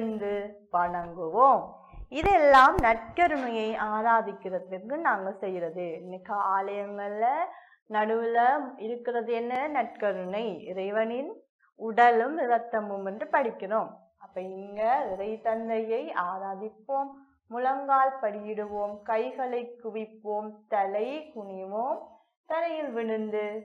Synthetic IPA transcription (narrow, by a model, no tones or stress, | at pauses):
nd̪ɯʋɐɳɐŋɡɯʋoːm | ɪðɛlːaːmnɐʈ̚kɐɾɯɳɐjɐɪʔaːɾaːðɪkːɪrɐt̪ːɯkɯnaːŋɡɐɭsɛjːɪɾɐðɯmɪɣɐaːlɐjɐŋɡɐɭɪlɐ | nɐɽɯʋɪlɐɪɾɯkːɪrɐðɛnːɐnɐʈ̚kɐɾɯɳɐɪɪɾɐɪʋɐnɪn | ʊɽɐlɯmɪʋɐt̪ːɐmɯmɛndrɯpɐɽɪkːɪroːm | ɐpːɐːɪŋɡɐʋɪɾɐɪt̪ɐnd̪ɐjɐɪaːɾaːðɪpːoːmː | ʊlɐŋɡaːlpɐɽɪjɪɽɯʋoːmkɐɪɣɐɭɐɪkːʊʋɪpːoːmt̪ɐlɐɪkʊɳɪʋoːm | t̪ɐlɐjɪlʋɪɽɯnd̪ɯ